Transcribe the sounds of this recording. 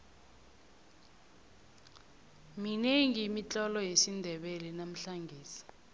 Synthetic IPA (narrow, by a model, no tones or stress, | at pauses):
mineŋiːmit͡ɬʼɔlɔjesindʱɛɓɛlɛnam̩ɬaŋɡʱiːsi̥